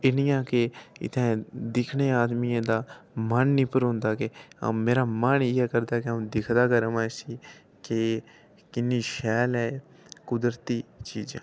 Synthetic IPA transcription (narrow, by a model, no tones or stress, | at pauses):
ɪnɪjãːkeɪ̰t̪ʰɛ̃ːd̪ɪkʰneːaːd̪miãːd̪aːmənːĩːpəɾɦʊ̃nd̪aːkḛmeːɾaːməneːɛːkəɾd̪aːkẽːd̪ɪkʰd̪aːkəɾəmaːsiː | ke | kɪnːiːʃɛːlɛː | kʊd̪əɾt̪iːt͡ʃiːd͡ʒã̰ː